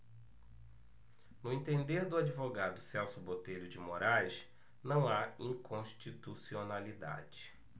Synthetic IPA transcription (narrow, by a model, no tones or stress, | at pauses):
nʊẽt̪ẽnd̪eɾd̪ʊad͡ʒivoɡad̪ʊsɛwsʊbot̪ejʎʊd͡ʒɪmoɾajs | nɐ̃w̃aĩŋkõʃt͡ʃit̪usionalid̪a̰d͡ʒɪ